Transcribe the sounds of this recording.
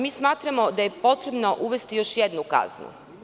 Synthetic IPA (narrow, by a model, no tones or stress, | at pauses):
miːsmaːt̪ɾamo̞d̪aje̞po̞t̪ɾebno̞ʔuʋe̞st̪ijo̞ʃjed̪nuka̰znṵ